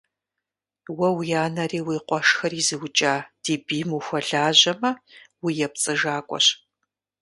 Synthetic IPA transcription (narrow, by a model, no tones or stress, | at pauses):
wɐwjaːnɐriːwiːqʷɔʂxɐɾiːzɨwʊt͡ʃʼaːd̥iːbiːmuxʷɔɮaːʑɐmɐwijɛp̚t͡sʼɨʒaːkʷʼɔ̰ɕ